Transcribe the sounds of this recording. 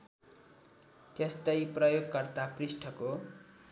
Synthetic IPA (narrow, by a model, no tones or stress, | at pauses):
t̪est̪ʌjprʌjoɡkʌrt̪aprisʈʰʌko